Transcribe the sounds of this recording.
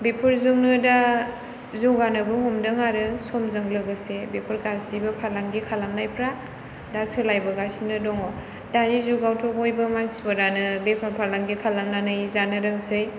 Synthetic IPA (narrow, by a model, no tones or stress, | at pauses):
bepʰɯɾzuŋnɯda | zuwɡanɯbɯɦɔmdɯŋaɾɯsɔmzɯŋlɯɡɯsebepʰɯɾkasibɯpʰaɾlaŋɡikʰalamnajpʰɾa | dasɯlajbɯɡasinɯdɔŋɔ | danizuɡawtʰɔbojbɯmansbɯɾanɯbepʰanpʰaɾlaŋɡikʰalamnanɯjzanɯɾɯŋsɯj